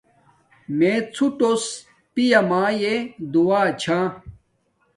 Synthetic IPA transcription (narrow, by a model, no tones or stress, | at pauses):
met͡sʰuʈos | pijɐmaːjed̪uwaːt͡ɕʰãː